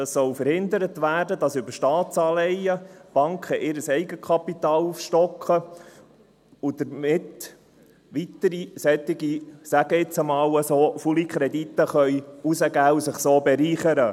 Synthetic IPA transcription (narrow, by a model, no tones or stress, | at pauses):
dɑssɔwfəɾhɪnd̪əɾətʋæːdədɑsʏbəʃtɑːt̪t͡sɑlɛjəb̥ɑŋkɛʔɪɾəsɛɪɡəkʰɑpit̪ɑːlufʃtɔkχə | ud̥̪əɾmɪt̪ | ʋit̪ːəɾisɛt̪ɪɡisæɡəɪt͡səmɑːwəsoːfulikχɾɛdit̪ːəχœjusəɡæwsɪχsoːbɛɾiːχəɾə